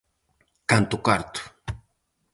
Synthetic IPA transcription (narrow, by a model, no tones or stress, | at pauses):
kant̪ʊkaɾt̪ʊ̥